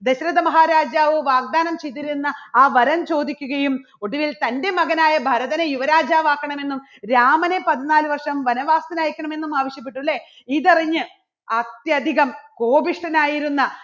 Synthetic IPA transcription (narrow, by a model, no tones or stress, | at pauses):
d̪eɕɾɐðɐmɐɦaːɾaːd͡ʑjaːʋɨʋaːɡ̚d̪aːnɐmt͡ɕejt̪̬ːiɾunːɐaːʋɐɾɐmt͡ɕo̞ːd̪ikʲːuɣɐjum | o̞ɽuʋilt̪ɐnde̞mɐɣɐnaːjɐbʱɐɾɐðɐnejuʋɐɾaːd͡ʑaːʋaːkːɐɳɐme̞nːum | ɾaːmɐnepɐðinaːlɨʋɐrʂɐmʋɐnɐʋaːst̪ɐnaːjikʲːɐɳɐme̞nːumaːʋɐɕjɐp̬ːeʈːuɭːe | iðɐriɲːɨ | ɐt̪jɐd̪ʱiɣɐmko̞ːbiʂʈɐnaːjiɾunːɐ